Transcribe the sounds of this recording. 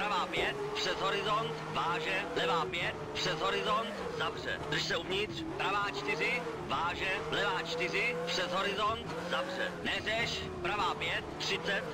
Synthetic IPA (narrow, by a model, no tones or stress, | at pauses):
pɾavaːpjɛt̪pr̥ɛzɦo̞ɾɪzont̪vaːʒɛlɛvaːpjɛt̪pr̥ɛzɦo̞ɾɪzont̪ | zavr̝ɛ̰d̪r̩ʃsɛuvɲɪt̪r̥pɾavaːt͡ʃt̪ɪrɪ | vaːʒɛlɛvaːt͡ʃt̪ɪrɪpr̥ɛzɦo̞ɾɪzont̪ | zavr̝ɛ̰nɛrɛʃ | pɾavaːpjɛt̪̚ːr̥ɪt͡sɛt̪